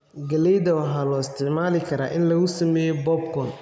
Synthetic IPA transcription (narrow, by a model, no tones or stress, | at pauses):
ɡɐlɛjd̪ɐwɑɦaːlɔɪst̪ʰɪʕmaːlɪkʰɐɾa̰ːʔɪnlɐɣʊsɐmɛːjɛbɔbkʰɔn